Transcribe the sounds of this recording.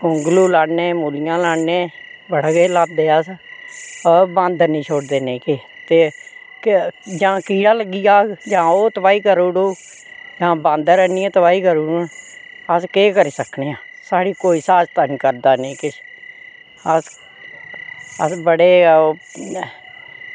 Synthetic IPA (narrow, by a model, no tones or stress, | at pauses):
ʊŋɡluːlaːɽneːmuːlɪjãːlaːɽneːbəɽɡeːlaːd̪eːəs | bãːnd̪nĩːt͡ʃʰoːɽd̪eːnẽːke | t̪eː | d͡ʒãːkiːɽãːləɡːijaːd͡ʒãːoːt̪əbaːiːkəɾuːɽoː | d͡ʒãːbãːnd̪ɾɛːniːãːt̪əbaːiːkəɾuːɽ | əskeːkəɾiːsəkneːãːsaːɽiːkoːiːsaːd͡ʒt̪ənkəɾd̪aːnẽːkɪʃ | əs | əsbəɽeː